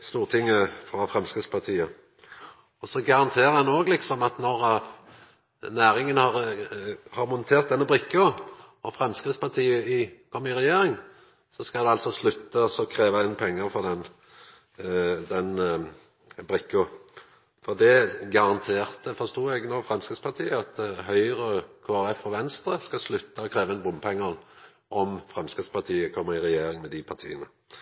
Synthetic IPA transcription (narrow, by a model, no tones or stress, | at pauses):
st̪uːʁt̪ʰɪŋːəfʁɑfʁɛmskʁɪt̪spʰɑʁt̪ʰiːə | ɔsɔɡɑʁɑnt̪ʰeːʁəhɛnoːɡlɪksɔmɑt̪nɔʁ | næːɾɪŋənhɑʁ | hɑɾmʊnt̪ʰeːʁt̪̚d̪ɛnːəbʁɪkːʊ | ɔfʁɛmskʁɪt̪spʰɑʁt̪ʰiːəɪkʰɔmːɪʁɛjeːɾɪŋ | sɔskɑld̪ɛɑlt̪sɔslʉt̪ːəɔsɔkʰʁeːʋəɪnpʰɛŋːəɾfɔʁd̪ɛn | d̪ɛn | bʁɪkːʊ | fɔʁd̪ɛɡɑʁɑnt̪ʰeːʁt̪əfɔʁst̪uːɛɡnɔʁfʁɛmskɾɪt̪spɑʁt̪ʰiːəɑt̪ɦœʏʁəkʰoːæʁɛfɔʋɛnst̪ɾəskɑslʉt̪ːəɔkʰɾeːʋəɛnbʊmpʰɛŋːən | ʔɔmfʁɛmskʁɪt̪spɑt̪ʰiːəkʰɔmːəɾɪʁɛjeːɾɪŋmɛd̪ɪpʰɑʁt̪ʰḭːənə